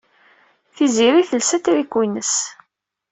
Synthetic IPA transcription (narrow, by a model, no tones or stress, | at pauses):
θiziɾiθəlsæt̪ɾikːwinəs